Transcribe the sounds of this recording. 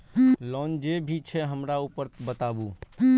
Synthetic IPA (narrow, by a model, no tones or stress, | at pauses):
lɔnd͡ʒebʱit͡ʃʰɛɦəmɾaupəɾt̪bət̪abu